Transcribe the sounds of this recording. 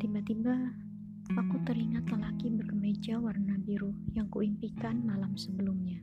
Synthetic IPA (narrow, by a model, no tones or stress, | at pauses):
t̪ibat̪iba | pakut̪əɾiŋat̪ləlakibərɡəmed͡ʒawarnabiɾujaŋkuimpikanmalamsəbəlumɲa